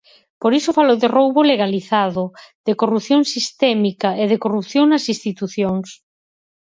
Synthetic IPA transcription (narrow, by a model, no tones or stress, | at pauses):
poɾisʊfaloðerowβoleɣaliθaðoðekorupθjoŋsist̪ɛmikɐeðekorupθjoŋnɐsist̪it̪uθjoŋs